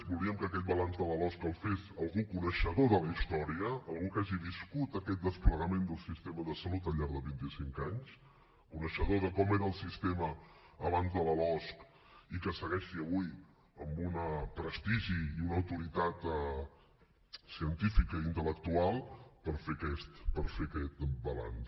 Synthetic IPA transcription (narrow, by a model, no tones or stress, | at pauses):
bulˠiəmkəkɛt̪̚bəlanzðələlɔskəlˠfesəlˠɣukunəʃəðoðələist̪ɔɾiəːlˠɣukaʒiβiskut̪əkɛt̪̚d̪əspləɣəmend̪əlˠsist̪eməðəsəlut̪əʎʎaɾðəβint̪isiŋkaɲs | kunəʃəðoðəkɔmeɾəːlˠsist̪eməːβanzðələlɔsk | ikəsəɣɛʃiəβuj | əmbunəpɾəst̪iʒiiunəwt̪uɾit̪at̪ɛ | siənt̪ifikəint̪ələk̚t̪ualˠpəɾfekɛst̪pəɾfekɛt̪bəla̰ns